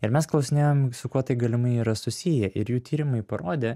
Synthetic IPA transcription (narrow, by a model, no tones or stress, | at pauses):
ɪɾmʲɛsklˠɒʊsʲɪnʲeːjoːmsʊkuɔt̪ɐɪɡɐlʲɪmɐɪiːɾɐsʊsʲijɛʔɪɾjuːt̪ʲiːɾʲɪmɐɪpɐɾoːd̪ʲeː